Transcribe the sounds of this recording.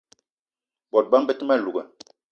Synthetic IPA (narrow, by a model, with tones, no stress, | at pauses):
bɔ˨t̚ba˦m̩˦bə˦tma˦˨lu˨ɡə˨